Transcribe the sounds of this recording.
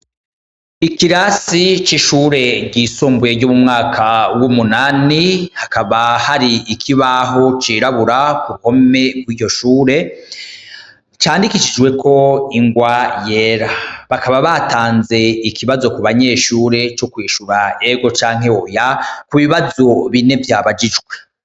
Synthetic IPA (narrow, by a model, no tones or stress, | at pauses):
ikiɾasit͡ʃiʃuːɾe̞ɟiːsoːmbuje̞ɟumumŋaːkʰawumunaːnihakaβahaɾiikʰiβaɦo̞t͡ʃiːɾaβuɾakuuho̞me̞ɡwiːɟo̞ʃuːɾe̞ | t͡ʃaːndikiʃid͡ʒɡwe̞kʰo̞iŋɡwaje̞ɾaβakaβaβataːnze̞ikʰiβazo̞kuβaɲe̞ːʃuːɾe̞t͡ʃokwiːʃuɾaeɡo̞t͡ʃaːŋ̥ɦe̞ojakuβiβazo̞βine̞vjaːβad͡ʒid͡ʒɡwe̞